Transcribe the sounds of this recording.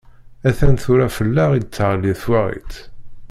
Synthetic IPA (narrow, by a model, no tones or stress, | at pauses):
æθænθʊɾafəlːæʁid̪ət͡sːəʁlːiθwæʁḭt͡s̪